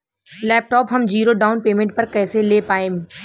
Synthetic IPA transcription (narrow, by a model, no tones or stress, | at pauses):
lɛːp̚ʈɔːpɦɐmd͡ʑiːɾoɖaːʊnpeːmẽɳʈ̚pɐɾkɛːseleːpaːẽː